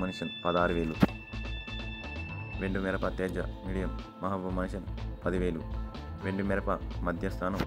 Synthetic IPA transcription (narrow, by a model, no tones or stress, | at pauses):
mɐniʃɐnpɐd̪aːɾuʋeːlu | ʋeɳɖumɛɾɐpɐt̪ɛːd͡ʒɐ̰miːɽijɐmːɐɦɐt̪ʋɐmɐnʃɐnpɐd̪iʋeːlu | ʋeɳɖumɛɾɐpɐmɐd̪ʱjɐst̪ʰaːnɐm